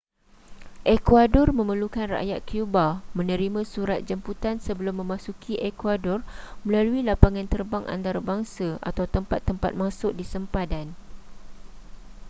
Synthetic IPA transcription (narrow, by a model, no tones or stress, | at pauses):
ʔɛkwadɔrmə̃məlukanra̰ʔjat̪̚kiubamə̃nə̃ɾimãsuɾat̪̚d͡ʒəmput̪ansəbəlʊmːə̃mãsukʰiʔɛkwadɔrmə̃laluilapaŋãnt̪ərbaŋʔa̰nt̪aɾabaŋsaʔa̰t̪awt̪əmpat̪ːəmpa̰t̪̚mãsʊk̚disəmpadan